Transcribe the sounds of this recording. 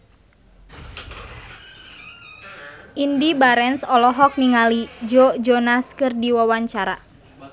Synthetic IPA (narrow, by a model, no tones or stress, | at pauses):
ʔindibaɾɛnsɔlɔɦɔk̚niŋalid͡ʒɔd͡ʒɔnaskɨrdiwawaɲt͡ʃaɾa̰